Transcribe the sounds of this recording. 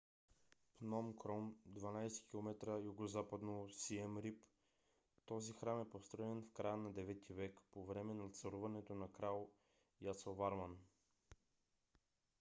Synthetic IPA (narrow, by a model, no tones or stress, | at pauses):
pnɔmkɾɔmd̪vanajsɛ̥kʲilˠomɛt̪ɾəjuɡozapad̪nosiɛmɾip | t̪ɔzixɾamɛpost̪ɾɔɛnfkɾajənad̪ɛvɛt̪ʰivɛkpovɾɛmɛnat̪sɐɾuvɐnɛt̪onakɾalˠ | jat̪sovaɾman